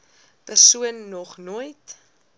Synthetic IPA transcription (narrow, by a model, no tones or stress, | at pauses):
pərsuənːɔχnuəjt